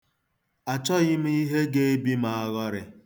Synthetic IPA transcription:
a˨t͡ʃɔ˦ɣɪ˦m̩˦i˦ɦe˦ɡe˦e˦bi˦ma˨a˦ɣɔ˦ɾɪ̰˨

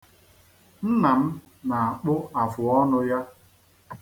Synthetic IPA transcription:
n̩˦na˨m̩˦ | na˨a˨k͡pʊ˦a˨fʊ˨ɔ˦nʊ˦ja˦

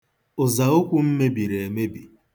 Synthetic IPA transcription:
ʊ˨za˨o˦kʷu˦m̩˦me˦bi˨ɾe˨e˨me˦bi˨

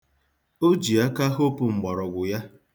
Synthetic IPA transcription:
o˦d͡ʒi˨a˦ka˦ɦo˦pʊ˨ŋ͡m̩˨ɡ͡ba˨ɾɔ˨ɡʷʊ˨ja˦

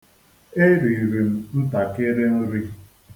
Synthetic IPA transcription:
e˦ɾi˨ɾi˨m̩˦n̩˦ta˨ke˦ɾe˦n̩˦ɾi˦

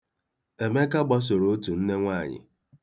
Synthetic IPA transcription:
e˨me˦ka˦ɡ͡bɔ˦s̬o˨ɾo˨o˦tu˨n̩˦ne˦ŋʷa˦˨ɲɪ̰˨

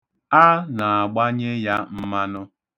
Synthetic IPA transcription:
a˦na˨a˨ɡ͡ba˦ɲe˦ja˦m̩˦ma˦nʊ˦

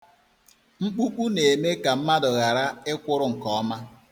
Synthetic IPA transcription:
ŋ͡m̩˦k͡pu˦k͡pu˦ne˨me˦ka˨m̩˦ma˦dʊ˨ɣa˨ɾa˦ɪ˦kʷʊ˦ɾʊ˨ŋ̩˨kɔ˦ɔ˦ma˦

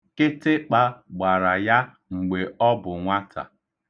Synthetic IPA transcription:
kɪ˦tɪ˦k͡pa˦ɡ͡ba˨ɾa˨ja˦ | ŋ͡m̩˨ɡ͡be˨ɔ˦bʊ˨ŋʷa˦tʰa̰˨

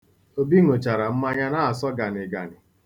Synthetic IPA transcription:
o˦bi˦ŋo˨t͡ʃa˨ɾa˨m̩˦ma˦ɲa˦na˦a˨sɔ˦ɡa˨nɪ˨ɡa̰˨nɪ˨

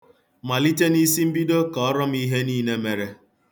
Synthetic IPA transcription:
ma˨li˦te˦ni˦si˦m̩˦bi˦do˦kɔ˨ɔ˦ɾɔ˦m̩˦i˦ɦe˦niː˦ne˦me˨ɾe˨

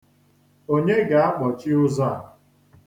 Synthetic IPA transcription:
o˦ɲe˦ɡa˨a˦k͡pɔ˨t͡ʃɪ˦ʊ˦za˦˨

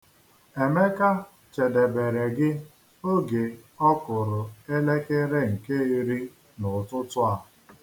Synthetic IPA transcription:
e˨me˦ka˦ | t͡ʃe˨de˨be˨ɾe˨ɡɪ˦ | o˦ɡe˨ɔ˦kʷʊ˨ɾʊ˨e˦le˦ke˦ɾe˦ŋ̩˨ke˦i˦ɾi˦ | nʊ˨tʊ˦tʊ˦a˨ɦ

